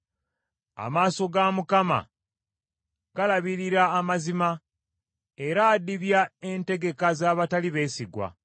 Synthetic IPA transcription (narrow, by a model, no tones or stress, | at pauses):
a̰maːso̞ɡamukama̰ | ɡ̥alaβiɾiɾaːmazima | e̞ɾaːdiβjae̞nte̞ɡe̞kazaːβataliβe̞ːsiɡwa̰